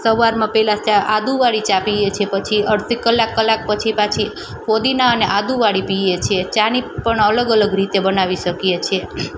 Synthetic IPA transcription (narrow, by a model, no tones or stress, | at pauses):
səʋaɾmãpɛlat͡ʃaad̪uʋaɽit͡ʃapijet͡ʃʰepət͡ʃʰiəɽsikəlːakːəlːak̚pət͡ʃʰipat͡ʃʰi | kod̪inaəneʔad̪uʋaɽipijet͡ʃʰet͡ʃanipəɳələɡələɡɾit̪ebənaʋiʃəkjet͡ʃʰe